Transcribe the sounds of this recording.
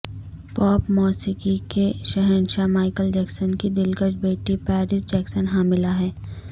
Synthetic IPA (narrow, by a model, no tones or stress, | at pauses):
pɔːpmɔːsikikeʃɛɦɛnʃamaːɪkəld͡ʒɛːksənkid̪ɪlkət͡ʃbeːʈipɛːɾɪsd͡ʒɛːksənɦaːmɪlaɦɛː